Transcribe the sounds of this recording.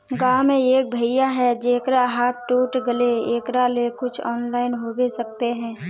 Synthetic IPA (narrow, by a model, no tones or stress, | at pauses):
ɡaːmẽeːk̚bʱɐɪjaɦɛd͡ʒeːkɾaɦaːt̪̚ʰʈuːʈɡəleeːkɾalekʊt͡ʃʰɔːnlaːɪnɦoːbesɐk̚t̪eɦɛ̃ː